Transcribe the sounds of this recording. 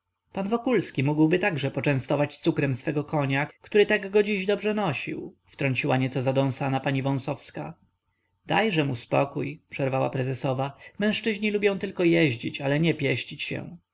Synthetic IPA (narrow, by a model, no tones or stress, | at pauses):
panvɔkulskʲimuɡwbɘt̪aɡʐɛpɔt͡ʂɛ̃w̃st̪ɔvat͡ɕt̪sukɾɛmsfɛɡɔkʰɔɲakt̪uɾɘt̪aɡːɔd͡ʑiʑd̪ɔbʐɛnɔɕḭwft̪ɾɔɲt͡ɕiwaɲɛt̪sɔzad̪ɔ̃w̃sanapaɲivɔ̃sɔfska | d̪̥a̰jʐɛmuspɔ̰kujpʂɛɾvawa̰pɾɛzɛsɔvamɛ̃w̃ʂt͡ʂɘʑɲilubʲjɔ̃w̃t̪ɘlkɔjɛʑd͡ʑit͡ɕalɛɲɛpʲjɛɕt͡ɕit͡ɕɕɛ̰w̃